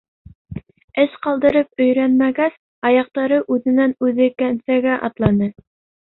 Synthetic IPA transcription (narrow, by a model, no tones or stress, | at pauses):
ɘʃqɑlˠd̪ɤ̆ɾɤp̚ɵ̆jɾænmæɡæs | ɑjɑq̚t̪ɑɾɤʔʉðɘ̆nænʉðɘkænsæɡæʔɑt̪lˠɑnɤ